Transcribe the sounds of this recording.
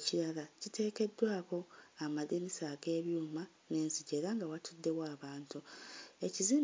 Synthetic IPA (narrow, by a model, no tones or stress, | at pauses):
ciɾjalacitʰe̞ːke̞dːwaːko̞amaðenisaɡe̞ːβjuːma | ne̞ːnziɟe̞ːɾaŋɡawatʰudːe̞waːβaːntue̞ciziːm